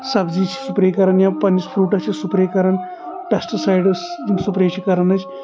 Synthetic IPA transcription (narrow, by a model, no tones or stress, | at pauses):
sɐbzit͡ʃʰi̥supɾekɐɾɐnjãpɐnispʰɾuːʈɐt͡ʃʰisupɾekɐɾɐn | pesʈisajɖɐsimsupɾẽːt͡ʃʰikɐɾɐnɐt͡ʃ